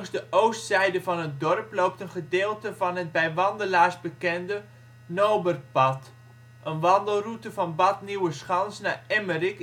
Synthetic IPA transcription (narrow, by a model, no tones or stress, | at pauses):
ŋzdəʔowstsɛjdəvɑnɦət̚dɔrplowp̚tənχədɪːlˠtəvɑnɦət̚bɛjʋɑndəlaːɹzbəkɛndə | nowbərpɑt | ʔənʋɑndəlˠrutəvɑnbɑtniwəsχɑnsnaːɛmərik